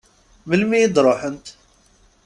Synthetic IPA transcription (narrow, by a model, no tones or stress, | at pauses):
məlmijəd̪ɾˤoħənt̪